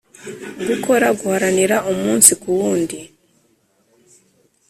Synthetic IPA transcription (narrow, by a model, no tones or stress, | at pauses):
βikʰo̞ɾaɡuhaɾaniɾaʔumuːnsikuβuːndi